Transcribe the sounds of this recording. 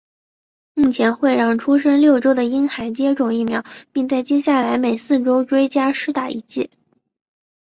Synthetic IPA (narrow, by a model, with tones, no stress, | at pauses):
mu˥˩t͡ɕʰjɛ˧˥nxwe˥˧ɪɻɑ˥˩ŋʈ͡ʂʰu˥ʂ̬ə˥nljo˥˩ʊʈ͡ʂo˥ʊd̪ə˨i˥nxa˧˥ɪt͡ɕjɛ˥ʈ͡ʂʊ˨˩ŋi˥˩mjɑ˧˥ʊpi˥˧ŋt͡sa˥˩ɪt͡ɕjɛ˥ɕja˥˩la˧˥ɪme˨˩ɪsɹ̩˥˩ʈ͡ʂo˥ʊʈ͡ʂwe˥ɪt͡ɕja˥ʂɻ̩˥t̪a˨˩i˧˥t͡ɕjɛ˥˩